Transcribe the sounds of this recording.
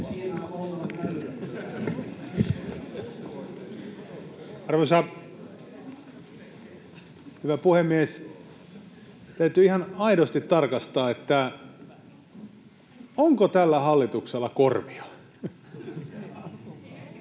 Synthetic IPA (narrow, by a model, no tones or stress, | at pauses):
ɑrʋosɑ | hyʋæpuhemːies | t̪æyt̪yihɑnɑiɾost̪it̪tɑrkɑst̪ɑːet̪ːæ | oŋkot̪ælːæhɑlːit̪ukselːɑkorʋiɑ̥